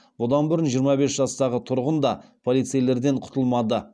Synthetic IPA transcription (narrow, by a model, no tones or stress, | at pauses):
bʊd̪ɑnbʊɾənʒijəɾmɑbe̞sʒɑst̪ɑʁət̪ʰʊɾʁənd̪ɑpʰo̞lˠijt̪sejle̞ɾd̪e̞ɴqʰʊ̥t̪əlˠmɑd̪ə